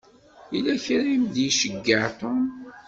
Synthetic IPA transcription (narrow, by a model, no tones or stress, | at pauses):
ilæçɾimd̪iʃəɡːəʕt̪ˤon